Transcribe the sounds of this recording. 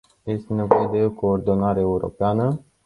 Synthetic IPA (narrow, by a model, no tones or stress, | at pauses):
je̞st̪ene̞vo̞je̞d̪e̞oko̞ːrd̪o̞naɾeːuɾo̞̰peanə